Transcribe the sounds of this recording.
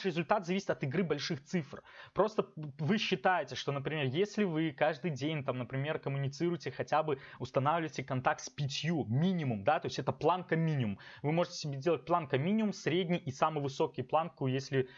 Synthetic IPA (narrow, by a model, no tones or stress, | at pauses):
ʂɾʲɪzʊlʲt̪at̪zɐvisʲɪ̥t̪ɐt̪ɨɡɾɨbɐlʲʂɨxt̪sɨfrpɾo̞st̪əvɨɕːɪt̪ajɪtʲɪʂt̪o̞nəpɾʲɪmʲerjesʲlʲɪvɨkaʐd̪ɨjdʲenʲt̪amnəpɾʲɪmʲe̞rkəmʊnʲɪt̪sɨɾʊjtʲɪxɐtʲabɨʊst̪ɐnavlʲɪvətʲɪkɐnt̪ak̚t̪spʲɪtʲjumʲinʲɪmʊmd̪at̪o̞ɪsʲɛt̪əplˠankəmʲinʲɪmʊmvɨmo̞ʐɨtʲɪ̥sʲɪbʲezʲdʲelˠət̚ʲplˠankɐmʲinʲɪʊmsɾʲedʲnʲɪjʔisamɨjvɨso̞kʲɪjplˠankujesʲlʲɪ